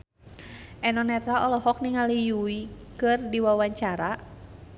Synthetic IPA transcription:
ʔɛnɔnɛt̪ɾalɔlɔɦɔk̚niŋalijuikɨrdiwawaɲt͡ʃaɾa

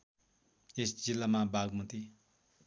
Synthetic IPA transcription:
eszilamabaɡmut̪i

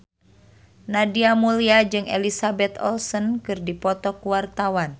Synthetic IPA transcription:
nadiamuliad͡ʒɨŋɛlisabɛt̪ɔ̰lsɔnkɨrdipɔt̪ɔkuwart̪awan

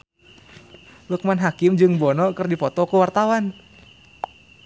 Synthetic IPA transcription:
lək̚manɦakɪmd͡ʒɨŋbɔnɔkərdipɔt̪ɔkuwart̪awan

